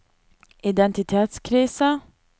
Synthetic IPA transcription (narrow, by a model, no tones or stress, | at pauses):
ʔɪd̪ɛnt̪ɪt̪ʰeːt̪skʰɾiːsə